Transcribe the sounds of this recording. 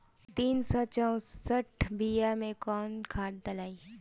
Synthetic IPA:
t̪iːnsɔt͡ʃaõsəʈʰbijamẽkɔːnkʰaːʈ̚d̪ɐlaːiː

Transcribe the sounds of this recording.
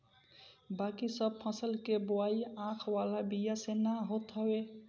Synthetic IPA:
bakisəb̚pʰə̃səlkeboajãkʰwalabijasenaɦot̪ɦɔwe

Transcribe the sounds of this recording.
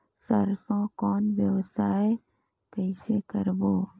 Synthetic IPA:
səɾsõkɔːnʋjəwsaːe | kəɪsekəɾboː

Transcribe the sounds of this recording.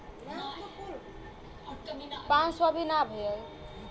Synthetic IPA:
pãnsɔbʱinabʱel

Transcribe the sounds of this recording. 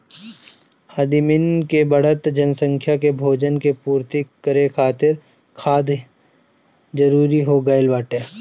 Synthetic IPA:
aːd̪ɪmɪnkebəɽ̤ət̪d͡ʒənsə̃ŋkʰjakebʱoːd͡ʒənkepuːɾt̪ikəɾekʰaːt̪ɪɾ | kʰaːd̪ | d͡ʒəɾuːɾiɦoɡaːɪlbaːʈeː

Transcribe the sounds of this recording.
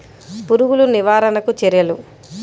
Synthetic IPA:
puɾuɡuluniʋaːɾɐnɐkut͡ʃɛɾjɐlu

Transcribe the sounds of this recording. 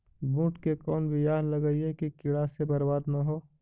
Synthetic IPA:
bũːʈkekɔːnbʱijaːɦlɐɡəiekikɪɽasebɐɾbaːd̪naɦoː

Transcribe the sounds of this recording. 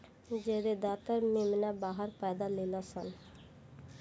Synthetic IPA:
d͡ʒeɾed̪at̪aɾmemnabaɦaɾpɛd̪alelasan

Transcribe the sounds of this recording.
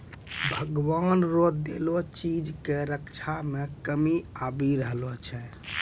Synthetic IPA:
bʱəɡʋanɾod̪elot͡ʃid͡ʒkeɾəkt͡ʃʰamekəmiabiɾəɦlɔt͡ʃʰɛ

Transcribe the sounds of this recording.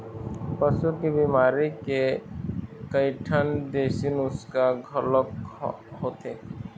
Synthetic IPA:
pəsukebiːmaːɾike | kəiʈʰənd̪eːʃɪnʊskaɡʱɔlək | hoːt̪eː

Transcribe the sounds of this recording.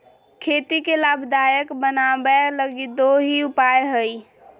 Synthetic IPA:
kʰet̪ikelabʱd̪ajəkbənabɛləɡid̪oɦiupajɦəi

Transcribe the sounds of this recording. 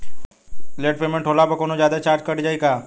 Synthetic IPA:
leːʈ̚peːmẽʈʰoːlapəkoːnod͡ʒjaːd̪at͡ʃaːɾd͡ʒkəɽd͡ʒaːikaː

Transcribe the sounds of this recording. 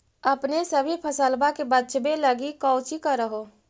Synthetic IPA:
əpnesəbʱipʰəsəlbakebətːt͡ʃʰbeləɡikəʊt͡ʃikəɾəɦo

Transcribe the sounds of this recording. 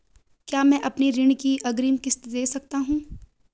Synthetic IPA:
kjaːmɛ̃ʔɐpniɾɪɽ̃kiʔɐɡɾiːmkɪst̪d̪eːsɐk̚t̪aɦũː

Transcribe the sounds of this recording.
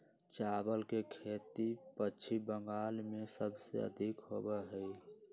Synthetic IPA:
t͡ʃabəlkekʰet̪ipəːt͡ʃʰibəŋɡaːlmesəbsḛə̰d̪ʱikɦobɛɦəj

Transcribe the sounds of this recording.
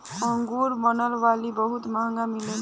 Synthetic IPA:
kʌŋɡuɾmʌnʌlwalibʌɦut̪maɦŋɡamilen

